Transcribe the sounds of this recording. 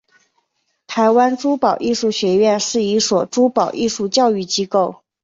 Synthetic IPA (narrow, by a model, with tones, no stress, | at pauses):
t̪ʰa˧˥ɪwa˥nʈ͡ʂu˥pɑ˨˩ʊʔi˥˧ʂu˥˩ɕɥɛ˧˥ɥɛ˥˧nʂɻ̩˥˩i˧˥swɔ˨˩ʈ͡ʂu˥pɑ˨˩ʊʔi˥˧ʂu˥˧t͡ɕjɑ˥˧ʊy˥˩t͡ɕi˥ko˥˩ʊ